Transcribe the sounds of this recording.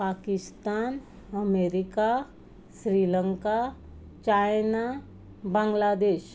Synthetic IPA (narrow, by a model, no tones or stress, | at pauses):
pakist̪an | əmeɾika | sɾiləŋka | t͡ɕajna | bãŋɡlad̪eɕ